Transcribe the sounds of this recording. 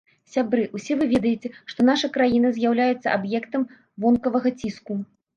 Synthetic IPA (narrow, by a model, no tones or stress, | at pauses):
sʲabɾɨʔusʲɛvɨvʲɛd̪ɐjet͡sʲɛʂt̪ɔn̪aʂɐkɾajinɐzʲjawlʲajɛt̪sːɐʔabjɛkt̪ɐm | vɔnkɐvɐɣɐt͡sʲisku